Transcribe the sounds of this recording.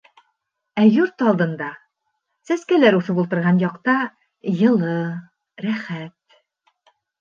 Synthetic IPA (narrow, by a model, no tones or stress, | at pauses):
æjuɾt̪ɑlˠd̪ɤ̆nd̪ɑ | sæskælæɾuθɤpulˠt̪ɤ̆ɾʁɑnjɑqt̪ɑ | jɤ̆lˠɤ | ɾæχæt̪̚